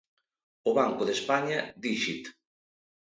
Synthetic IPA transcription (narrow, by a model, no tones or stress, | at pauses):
ʊβaŋkoðespaɲad̪iʃit̪